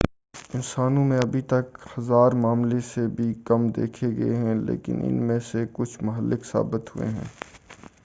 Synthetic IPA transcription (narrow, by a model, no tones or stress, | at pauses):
ɪnsaːnõmẽɐbʱit̪ɐkhɐzaːɾmaːmlesebʱikɐmd̪ḛːkʰeɡɐeɦɛ̃lḛːkɪ̰nʔɪ̰nmẽsekʊt͡ʃʰmʊɦəlːʔɪksa̰ːbɪt̪ɦʊḛɦɛ̰̃ː